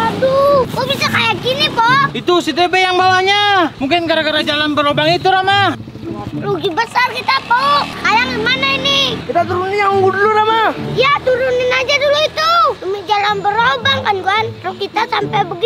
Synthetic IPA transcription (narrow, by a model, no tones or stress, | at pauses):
ad̪ukobisakajaɡinipoit̪usit̪ebejaŋbawaɲamuŋkɪnkaɾakaɾad͡ʒalanbəɾobaŋit̪uɾama | luɡibəsarkit̪apoʔkajaŋimanainɪkit̪at̪uɾunɪnjaŋuŋɡuduluɾamajat̪uɾunɪnad͡ʒaduluit̪udəmid͡ʒalanbəɾobaŋkanɡuanɾɔkit̪asampɛjbəɡi